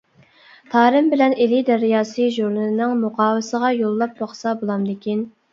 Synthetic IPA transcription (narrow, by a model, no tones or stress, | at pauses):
t̪ʰɑːɾɨmbɪlɛnelɪd̪ɛɾɪjɑːsɨʒuɾlɨnɪnɪŋmʊqɑːwɪsəʁɑjolˠːɑp̚bɑχsɑbolˠɑmd̪ekʲin